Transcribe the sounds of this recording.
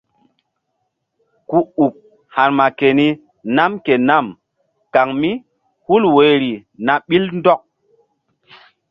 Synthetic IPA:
ku˨u˨k̚ | ha˨ɾma˨ke˨ni˦ | na˦mke˨na˦˨m | ka˨ŋmi˦ | hu˦lwe˨ɾi˨na˨ɓi˦lndɔ˦k̚

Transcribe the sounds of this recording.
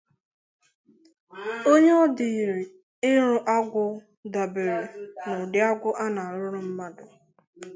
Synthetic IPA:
o˦ɲe˦ɔ˦dɪ˨i˨ɾe˨ | ɪ˦ɾʊ˦ʔa˦ɡʷʊ˦ | da˨be˨ɾe˨nʊ˨dɪ˦a˦ɡʷʊ˦ʔa˦na˨ɾʊ˦ɾʊ˦m̩˦ma˦dʊ˨

